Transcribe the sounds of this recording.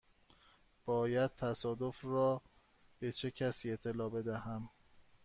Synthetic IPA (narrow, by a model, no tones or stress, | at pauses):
b̥ɒːjæd̪̥̚t̪ʰæsɒːd̪ofɾɒː | b̥e̞t͡ʃʰecʰæsiːe̞t̪ʰːelɒːbe̞d̪æhæm